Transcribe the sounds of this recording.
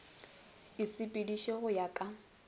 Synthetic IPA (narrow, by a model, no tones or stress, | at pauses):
ɪsɪpʼɪdiʃeɣʊjakʼa